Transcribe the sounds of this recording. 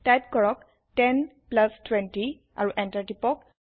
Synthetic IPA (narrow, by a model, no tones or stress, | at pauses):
tajt̚kɔɹɔk | tɛnplastʰwɛnti | a̰ɹuʔɛntaɹtipɔk